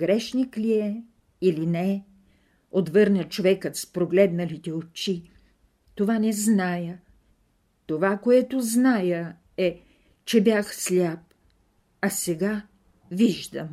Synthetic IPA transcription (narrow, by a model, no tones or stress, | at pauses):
ɡɾɛʃnikliɛ | ilinɛ | ot̪vɤɾnət͡ʃovɛkət̪spɾoɡlɛd̪nəlit̪ɛot͡ʃi | t̪ovanɛznajə | t̪ovakoɛt̪oznajə | ɛ | t͡ʃɛbjaxslʲap̚ | ɐsɛɡa | viʒd̪əm